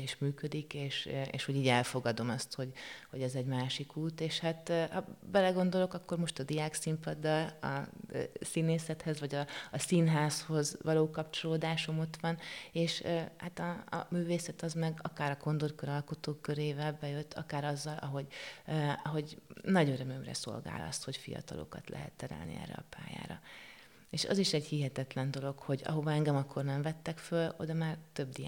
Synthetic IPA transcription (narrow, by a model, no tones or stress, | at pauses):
eːʃmyːkød̪ikeːʃḛːʃho̞ɟiːɟɛlfo̞ɡɒd̪o̞mɒst̪ho̞ɟho̞ɟɛzɛɟmaːʃikuːt̪eːʃhat̪hɒbɛlɛɡo̞nd̪o̞lo̞kɒkːo̞rmo̞ʃt̪ɒd̪ijaːksimpɒd̪ːɒlɒ̰siːneːsɛt̪hɛzvɒɟɒːsinɦaːsho̞zʋɒloːkɒpt͡ʃo̞loːd̪aːʃo̞mo̞t̪ʋɒneːʃhat̪ɒ̰ːmyːveːsɛt̪ɒzmɛɡɒkaːɾɒko̞nd̪orkøɾɒlko̞t̪oːkøɾeːvɛlbɛjøt̪ːɒkaːɾɒzːɒlɒɦo̞ɟ | ɒɦo̞ɟnɒɟøɾømømrɛ̰so̞̰lɡa̰ːlɒ̰st̪ho̞cfijɒ̰t̪ɒlo̞̰kɒ̰t̪lɛ̰ɦɛ̰t̪ːɛɾɛ̰lnḭɛ̰rːɛ̰ɒ̰pa̰ːja̰ːɾɒ̰ | eːʃɒ̰ziʃɛɟhiɦɛt̪ɛt̪lɛnd̪o̞lo̞kho̞ɟɒ̰ɦo̞vɒɛŋɡɛmɒkːo̞rnɛmvɛt̪ːɛkfølo̞d̪ɒmaːrt̪ø̞b̚d̪i